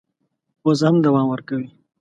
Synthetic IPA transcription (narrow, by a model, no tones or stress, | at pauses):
ozhamd̪awɑmwəɾkawi